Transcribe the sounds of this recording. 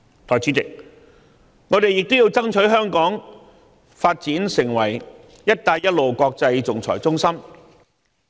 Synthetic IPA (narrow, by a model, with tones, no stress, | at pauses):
t̪ʰɔː˨˩t͡sʰiː˨˥t͡sɪ˨k̚ | ŋɔː˨˧t̪e˨jɪ˨k̚t̪o˥jiː˧wt͡sɐ˥ŋt͡ʃʰɵ˨˥ɥɦœː˥ŋkɔː˨˥ŋ | faː˧t̚t͡siː˨˥nsɪ˨˩ŋwɐ˨˩j | jɐ˥t̚t̪aː˧jɐ˥t̚lo˨wkʷɔː˧k̚t͡sɐ˧jt͡sʊ˨ŋt͡sʰɔ̰ː˨˩jt͡sʊ˥ŋsɐ˥m